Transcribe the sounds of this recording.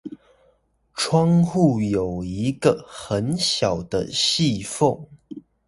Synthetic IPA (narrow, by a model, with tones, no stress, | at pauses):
ʈ͡ʂʰwɑ˥ŋxu˥˩jo˨˩ʊi˧˥ɡə˧xə˨˦nɕjɑ˨˩ʊd̪ə̰˦ɕi˥˧fo˥˩ŋ